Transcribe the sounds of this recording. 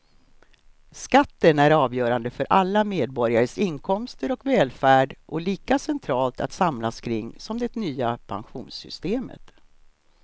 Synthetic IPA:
skat̪ːənæɾɑːvjœːɾand̪əfœɾʔalːameːd̪̚bɔɾjaɾəsɪŋkʰɔmst̪əɾɔkvɛːlfæːɖʔɔliːkasɛnt̪ʰɾɑːlt̪a̰t̪samlaskʰɾɪŋːsɔmd̪ɛt̪nyːapʰa̰nɧuːnsʏ̰st̪eːmə̰t̪

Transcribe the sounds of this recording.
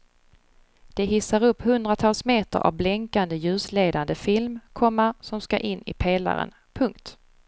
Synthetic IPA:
d̪̥ɛɦɪsːaɾɵpːhɵnd̪ɾat̪ʰɑːlsmeːt̪ə̰ɾʔa̰vblɛŋkand̪əjʉ̟ːsleːd̪and̪əfɪlmkʰɔmːasɔmskaʔɪnːɪ̰pʰeːla̰ɾə̰n | pʰɵŋkt̪

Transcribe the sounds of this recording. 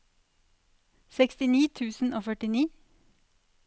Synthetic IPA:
sɛkst̪ɪniːt̪ʰʉːsn̩ʔoːfœʈɪniː

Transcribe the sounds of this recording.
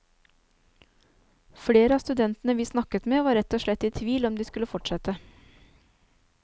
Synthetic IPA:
fɽeːɾəɑːst̪ʉd̪ɛnt̪nəʋiːsnɑkət̪meːʋɑːɾɛt̪ːoːʃɭɛt̪ːiːt̪ʰʋiːlɔmd̪iːskʉləfɔʈʃɛt̪ə

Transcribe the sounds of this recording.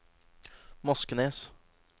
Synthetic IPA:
mɔskəneːs

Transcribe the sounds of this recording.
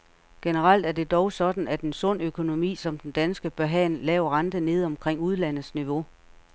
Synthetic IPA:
ɡ̥enəʁɑl̰d̥æɐd̥e̝d̥ɒʊsɒ̽d̥n̩æd̥e̝nsɔ̽n̰økʰo̝no̝mḭːsɒ̽md̥end̥ænsɡ̥əb̥ɶɐɦɛ̰nlɛːʊɐʁɑ̈nd̥əne̝ːð̞ˠɒ̽mkʰʁeŋ̰uð̞ˠlæn̰ð̩ˠsniʋo̝

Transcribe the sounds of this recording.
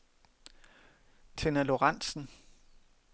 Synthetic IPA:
t͡sʰe̝nælo̝ʁɑn̰sn̩

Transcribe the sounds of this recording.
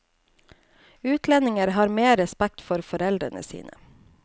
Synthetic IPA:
ʉːt̪ʰlɛnɪŋəɾhɑːɾmeːɾɛspæk̚t̪fɔɾfɔɾɛld̪ɾənə̰sḭːnʔə̰

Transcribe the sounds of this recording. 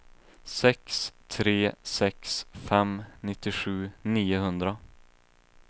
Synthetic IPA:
sɛkst̪ʰɾeːsɛksfɛmnɪt̪ːɪɧʉ̟ːniːʊɦɵnd̪ɾa

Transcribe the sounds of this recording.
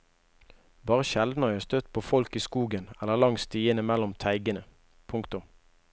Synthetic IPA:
bɑːʁəʃɛld̪n̩ɑst̪œt̪pʰoːfɔlkiːskuːɡənɛlːəʁlɑŋst̪iːənəmɛlʊmt̪ʰæɪɡənə | pʰʊŋkt̪ʊm

